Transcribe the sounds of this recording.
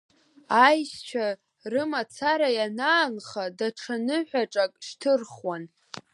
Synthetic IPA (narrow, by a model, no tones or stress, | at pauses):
ajst͡ʃʷʰa | rɨmat͡sʰaɾajanaːnχadaʈ͡ʂʰanɨħʷᶣaʈ͡ʂʼakʼʂtʰɨrχwan